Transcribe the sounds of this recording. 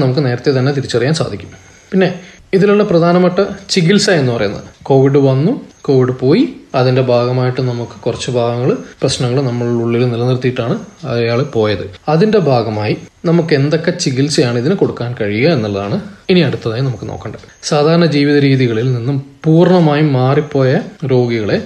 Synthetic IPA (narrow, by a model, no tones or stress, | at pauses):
nɐmukːɨne̞ːɾɐt̪ːet̪̬ɐnːe̞t̪iɾit͡ɕːɐrijaːnsa̰ːd̪ʱikʲːu̥m | pinːe̞ | iðiluɭːeprɐd̪ʱaːnɐmaːʈːɐt͡ɕiɣilsaje̞nːupɐrɐ̰junːɐ̰ðɨko̞ːʋiɖɨʋɐnːuko̞ːʋiɽɨpo̞ːjiɐðinde̞bʱaːɡɐmaːjiʈːɨnɐmukːɨ̥kurɐt͡ɕːɨbʱaːɡɐŋːɐɭprɐɕnɐŋːɐɭnɐmːɐɭuɭːilnilɐnirt̪ːijiʈːaːɳɨɐjaːɭpo̞ːjɐðɨɐðinde̞bʱaːɡɐmaːjinɐmukːe̞nd̪o̞kːe̞t͡ɕiɣilsɨjaːɳɨiðinko̞ɽukːaːnkɐɻijɐenːɐlːɐða̰ːɳɨiniɐɽut̪ːɐðaːjinɐmukːɨnʔo̰ːkːɐɳɖɐsaːd̪ʱaːɾɐɳɐd͡ʑiːʋiðɐɾiːðiɣɐɭilninːumpuːrɳɐmaːjimaːripːo̞ːjɐɾo̞ːɡiɣɐɭe̞